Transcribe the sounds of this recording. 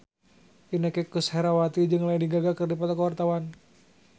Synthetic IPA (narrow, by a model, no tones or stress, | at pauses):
inəkekushɛɾawat̪id͡ʒɨŋlaindiɡaɡakɨrdipat̪akəwart̪awan